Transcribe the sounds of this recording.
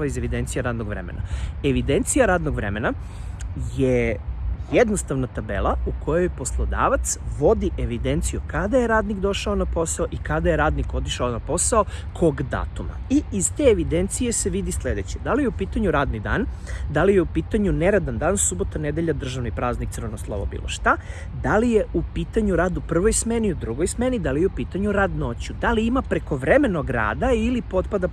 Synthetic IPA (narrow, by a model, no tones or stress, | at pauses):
aize̞ʋid̪e̞nt̪sijaɾaːd̪noɡʋɾḛmḛna̰eʋid̪e̞nt̪sijaɾaːd̪no̞ɡʋɾe̞̰me̞na | je | jed̪no̞st̪aʋnat̪abḛlˠaukʰo̞jojpo̞slˠod̪a̰ːʋat̪sʋo̞d̪iʔeʋid̪e̞nt̪sijukad̪aje̞ɾaːd̪nikd̪o̞ʃaonapo̞saoʔikad̪ajeɾaːd̪niko̞t̪iʃaonapo̞saokʰo̞ɡd̪a̰ːt̪uma̰iizt̪e̞eʋid̪ent̪sije̞se̞ʋid̪isle̞d̪e̞t͡ɕed̪alijeupiːt̪aɲuɾaːd̪nid̪a̰ːnd̪alije̞upiːt̪aɲuneɾad̪and̪aːnsubo̞t̪aned̪eʎad̪r̩ʒaʋnipɾaːznik̚t̪ɨr̩ʋenoslˠo̰ʋo̰bḭlˠoʃt̪a | d̪alije̞ʔupiːt̪aɲuɾaːd̪upr̩ʋo̞jsme̞niud̪ɾuɡojsme̞nid̪alijeupiːt̪aɲuɾad̪no̞t͡ɕud̪aliimapɾe̞ko̞ʋɾeme̞no̞ɡɾa̰ːd̪ailipo̞t̪pad̪a